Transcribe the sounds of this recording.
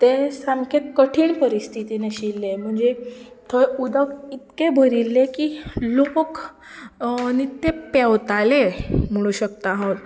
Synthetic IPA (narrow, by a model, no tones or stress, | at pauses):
t̪esamkʰet̪kəʈʰiːɳpəɾist̪ʰit̪ineɕilːem̤əɳd͡zet̪ʰoeud̪əkit̪kebʱəɾilːekilok | nit̪ːepɛwt̪alem̤əɭ̃uɕəkt̪aɦot̪